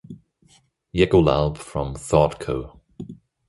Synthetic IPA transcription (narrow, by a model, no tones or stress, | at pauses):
jɛɡola̰lˠb̥fɹə̃mθɑːˑtkʰoʊ